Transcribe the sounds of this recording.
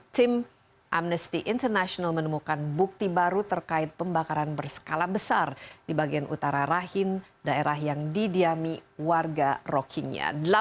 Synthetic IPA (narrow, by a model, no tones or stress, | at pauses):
t̪ɪm | ʔamnəst̪iʔɪnt̪ərnaʃonalmənəmukanbuk̚t̪ibaɾut̪ərkaɪt̪̚pəmbakaɾanbərsə̥kalahbəsardibaɡianʔṵt̪aɾaɾaɦɪn | daeɾahjaŋdidiamiwarɡarɔkʰiŋɲa̰dəla